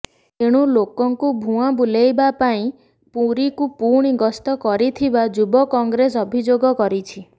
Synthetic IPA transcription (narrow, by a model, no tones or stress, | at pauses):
eɽ̃ulokɔŋkubʱũabulejbapaĩ | puɾikupuɽ̃iɡɔst̪ɔkɔɾit̪ʰibad͡ʒubɔkɔŋɡɾes̬ɔbʱid͡ʒoɡɔkɔɾit͡ʃʰi